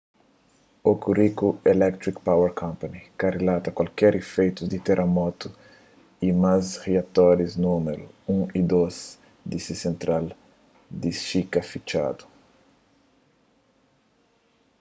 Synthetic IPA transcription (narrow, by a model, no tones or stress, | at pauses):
okurikuelɛk̚t̪ɾikpaweɾkʰõmpɐnikarelat̪ɐkwalkɛɾefejt̪uzd̪it̪eɾʔemɔt̪u | imasheat̪ɔɾiznumeɾuũid̪os | d̪isisẽnt̪ɾal | d̪iʃikɐfit͡ʃa̰d̪u̥